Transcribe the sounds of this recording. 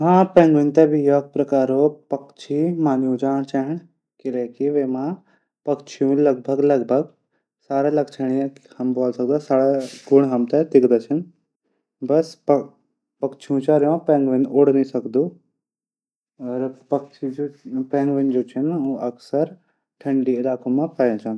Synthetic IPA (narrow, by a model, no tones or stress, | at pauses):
mãːpɛ̃ːŋɡʋənt̪ɛbʱijok̚pɾɐkaːɾopɐkt͡ʃʰimãːnjũd͡ʒaːɽ̃t͡ʃaːɦɪɳ̃ | kɪleːkiʋeːmã | pɐkt͡ʃʰijũlɐɡ̚bʱəɡlɐɡbʱəɡ | saːɾalɐɡt͡ʃʰəɽ̃ijãhɐmboːlsɐkd̪asaːɽaɡʊɽ̃ɦɐmt̪ed̪ɪkʰd̪at͡ʃʰən | bɐsp | pɐkt͡ʃʰijũt͡ʃaːɾjõpɛ̃ːŋɡʋənʔoːɽnisɐɡd̪u | ɐɾpɐkt͡ʃʰid͡ʒopɛ̃ːŋɡʋənd͡ʒoːt͡ʃʰənũɐksəɾ | ʈʰɐɳɖiɪlaːkomãpaːjõt͡ʃaːnd̪u